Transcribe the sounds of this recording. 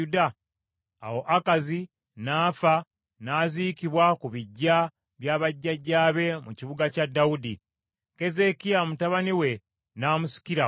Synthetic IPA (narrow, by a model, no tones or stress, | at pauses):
udaː | wo̞ʔakazi | naːfa | naːziːkiβwakuβiɟːa | βjaːβaɟːaɟaːβe̞muciβuɡacadːaudi | ke̞ze̞kiamutaβaniwe̞ | naːmusi̥kiɾa